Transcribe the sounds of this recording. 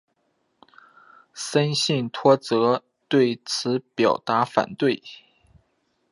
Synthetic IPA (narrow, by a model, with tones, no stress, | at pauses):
sə˥nɕi˥˩ŋt̪ʰwɔ˥t͡sɤ˧˥ | t̪we˥˩ɪt͡sʰɹ̩˧˥pjɑ˨˩ʊt̪a˧˥fa̰˨˩nt̪we˥˩ɪ